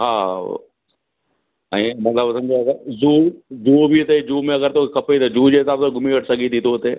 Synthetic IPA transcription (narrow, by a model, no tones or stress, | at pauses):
ɦa̰ː | ɛ̃ːmɐt̪ləbsɐ̃md͡ʑeɐɡəɾzuːzuːbʱit̪ed͡ʒuːmẽɐɡəɾt̪okɐpet̪ɐd͡ʑuːd͡ʑeːɪsaːbsoɡʊmiʋɐʈʰsɐɡʱit̪ʰiːt̪ʰoːt̪eː